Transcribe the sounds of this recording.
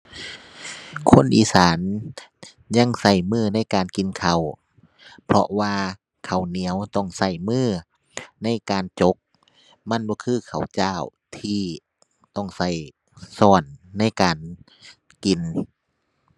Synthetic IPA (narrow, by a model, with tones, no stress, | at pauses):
kʰo˧˥˨nʔiː˧˦saː˨˦n | ɲa˧˥˨ŋsa˧˩jmɯː˧˩na˧˥˨jkaː˨nki˨nkʰa˨˩w | pʰɔ̰˧ʔwaː˧ | kʰa˨˩wni˨˦əwt̪ɔ˧˩ŋsa˧˩jmɯː˧˥˩ | na˧˥˨jkaː˨nt͡ɕo˧˦k̚ | ma˧˥˨nbɔː˧˦kʰɯː˧˩˨kʰa˨˩wt͡ɕaː˧˥˩w | t̪ʰiː˧˩ | t̪ɔ˧˩ŋsa˧˥˩j | sɔː˧˩nːa˧˥˨jkaː˨n | ki˨˩n